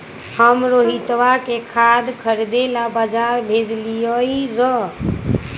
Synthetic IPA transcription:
həmɾoɦit̪ʋakekʰad̪kʰəɾd̪elabəd͡ʒaɾbʱed͡ʒlijəiɾə

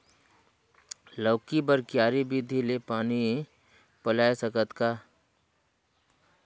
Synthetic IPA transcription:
ləːkibəɾkjaːɾibʱid̪ʱilepaːni | pəlaːesəkət̪kaː

